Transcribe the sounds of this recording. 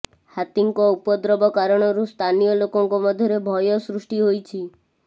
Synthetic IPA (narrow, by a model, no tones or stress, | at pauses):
hat̪iŋkɔupɔd̪ɾɔbɔkaɾɔɽ̃ɔɾust̪ʰanijɔlokɔŋkɔmɔd̪ʱjɔɾebʱɔjɔsɾusʈiɦojt͡ʃʰi